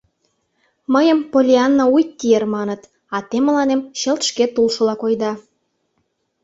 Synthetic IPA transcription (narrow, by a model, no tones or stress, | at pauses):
məjəmpolʲiɑnːoujt̪ʲːiermɑnət̪ | ɑt̪emə̆lɑnemɕə̆lt̪ʃket̪ulʃəlɑkojd̪ɑ